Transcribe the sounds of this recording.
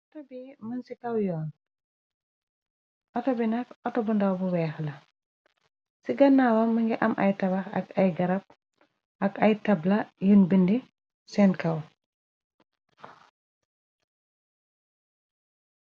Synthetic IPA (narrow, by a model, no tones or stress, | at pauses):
ɔtɔbimənsikɐwjɔːn | ʔɔtɔbinɐkɔtɔbundɐwbuwɛːxlɐ | siɡɐnːaːwɐmɐŋɡiʔɐmʔɐjtɐbɐxɐ̰ɡɐjɡɐɾɐp̚ | ʔɐkɐjtɐblɐjunbindi | sɛnkɐw